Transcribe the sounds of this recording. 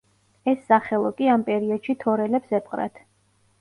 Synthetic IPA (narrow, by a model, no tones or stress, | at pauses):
ɛsːaχɛlˠɔkʼiampʼɛɾiɔd̪̥ʃit̪ʰɔɾɛlɛpsɛpqʼɾa̰t̪ʰ